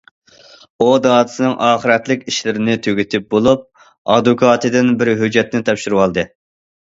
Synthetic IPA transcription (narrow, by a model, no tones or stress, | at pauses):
od̪ɑːd̪ɨ̥sɨnɪŋʔɑːχəɾɛt̪lɪkʲiʃlɪɾɪnɪt̪ʰøɡʲyt̪ʰɪp̚bolˠup̚ | ɑ̰d̪ukʰɑːt̪ʰɨd̪ɪnbɪɾɦød͡ʒːɛt̪nɪt̪ʰɑpʃyɾɨwɑlˠd̪ɨ